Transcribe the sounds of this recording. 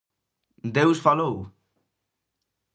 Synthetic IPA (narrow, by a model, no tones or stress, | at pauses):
d̪ewsfalow